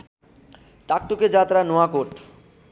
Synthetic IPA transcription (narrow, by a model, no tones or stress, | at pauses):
t̪ak̚t̪oked͡ʑat̪ɾanoakoʈ